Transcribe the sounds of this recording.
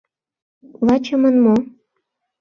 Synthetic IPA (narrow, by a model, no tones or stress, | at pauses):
lɑt͡ɕəmənmo